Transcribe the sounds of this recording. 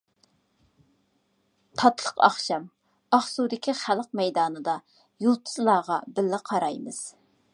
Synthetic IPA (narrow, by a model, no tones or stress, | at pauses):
t̪ʰɑt̪lˠəqɑ̰χʃɑm | ɑχsud̪ɪkʲʰiχælˠəq̚mɛjd̪ɑːnɨd̪ɑ | julˠt̪ʰɨ̥zlˠɑːʁɑbɪlːɪqʰɑɾɑjmɨz̥